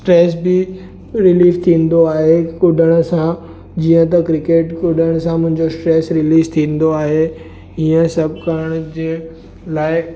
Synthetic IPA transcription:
sʈɾeːsbɪ | ɾɪliːft̪ʰĩːn̆d̪oaːɦekʊɖʱəɽ̃ʊ̆sã | d͡ʑiːə̃t̪ɐkɾɪkeːʈkʊɖʱəɽ̃sãmʊ̃ɦɪ̃ɲd͡ʑosʈɾeːsɾɪliːzt̪ʰĩːn̆d̪oaːɦe | iːə̃sɐbʱkɐɾəɽ̃ʊd͡ʑeː | laːɪ

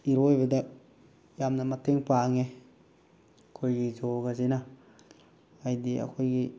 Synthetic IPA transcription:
iɾojbeda | jamnamatʰeŋpaŋe | kʰojɡizoɡasina | jdia̰kʰojɡi

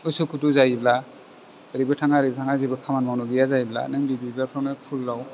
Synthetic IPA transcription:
usukʰutuzajibla | ɾibatʰaŋaɾibɐtʰaŋazijbakʰamanmawnuɡijazaibla̰nɯŋbibibapʰɾawnapʰulːaw

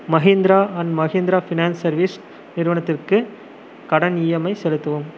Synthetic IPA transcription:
mɐɣeːnd̪ɪɾaːɐnmɐɣeːnd̪ɾaːfɪnaːnsɐɾʋis | nɪɾɯʋɐnɐt̪ːɪrkɯ | kɐɽɐnɪjɐmɐɪsɛlɯt̪ːɐʋɯm

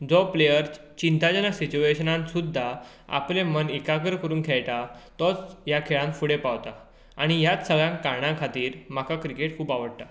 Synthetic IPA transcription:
d͡zɔplejəɾ | t͡ɕint̪ad͡ʑanasit͡ɕueɕənãnsud̪ʱːa | a̰plemənikakəɾkəɾuːnkʰɛjʈ̪at̪ɔt͡sjakʰeɭãnfuɽepaʋt̪a | aɽ̃ijat͡ssəɡɭjãŋkaɾɳãkʰat̪iːɾmakʰakɾikeʈ̚kʰuːpaʋəɽt̪a

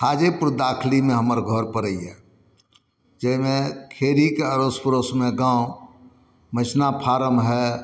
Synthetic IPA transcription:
haːd͡ʒepʊɾd̪aːkʰlimẽɦəməɾɡʱɔɾpəɾəiɦɛ | d͡ʒɛmẽkʰeːɾikeəɾospəɾosmẽɡãːo | mət͡ʃʰnapʰaːɾəmɦɛ

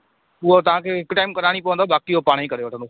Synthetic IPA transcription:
ʊɦot̪ɐʋ̤ãːkʰeːɦɪkʊʈaːɪmkɐɾaːɽ̃ipːʋə̃nd̪obaːkijopaːɽ̃ikɐɾeʋɐʈʰə̃ndoː

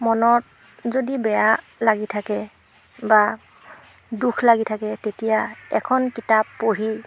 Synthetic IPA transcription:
mɔnɔt | zodibɛja | laɡitʰakɛ | ba | dukʰlaɡitʰakɛtetijaɛkʰɔnkitapːoɹi

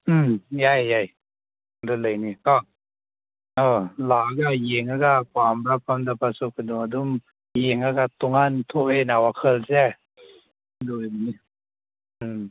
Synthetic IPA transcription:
ɯmjajjaj | dolɯnikɔŋ | ʔɤːlaːkajiŋakakʰwaːmɾap̚kʰamdapasupkaduadum | jiŋakat̪oŋːant̪ʰuʔenawakʰəlsɛ | dujbni | ɯm

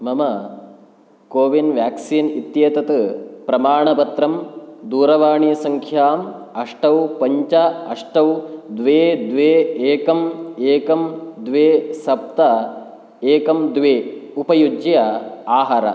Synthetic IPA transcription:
mɐmɐ | koːʋinʋjaːksiːnit̪jeːt̪ɐt̪ɨpɾɐmaːɳɐpɐt̪ɾɐmd̪uːɾɐʋaːɳijɐsɐŋkʰjaːmɐʂʈɐwpɐɲt͡ʃɐɐʂʈɐwd̪ʋeːd̪ʋeːeːkɐmeːkɐmd̪ʋeːsɐp̚t̪ɐ | eːkɐmd̪ʋeːupɐjud͡ʒjɐaːɦaɾɐ̰

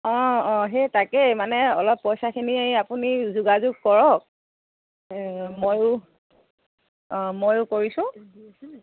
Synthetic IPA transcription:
ɔ̃ɔ̃ɦetakɛmanɛɔlɔpːɔjsakʰinieapunizuɡazuɡ̚kɔɹɔk̚ | mojʊ | mojʊkoɹisʊ̃

